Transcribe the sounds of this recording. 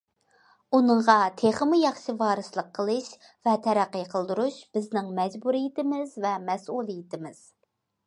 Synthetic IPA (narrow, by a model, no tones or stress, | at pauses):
unɨɴʁɑt̪ʰeχəmujɑχʃivɑːɾɨslˠəqʰːəlˠɨʃ | vɛt̪ʰɛɾæqːəjqʰəlˠd̪uɾuʃb̥ɪznɪŋmɛd͡ʒbuɾijɪt̪ɪmɪzvɛmɛsulˠijɪt̪ʰɪmɪz̥